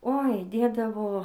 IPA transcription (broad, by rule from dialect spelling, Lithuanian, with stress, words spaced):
oːɪ ˈdʲeːdɐʋoː